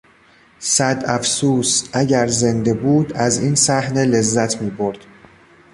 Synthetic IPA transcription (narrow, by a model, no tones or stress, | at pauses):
sæd̪æfsuːsʔæɟæɾze̞nd̪e̞buːd̪æziːnsæhne̞le̞zːæt̪ʰmiːboɾd̪̥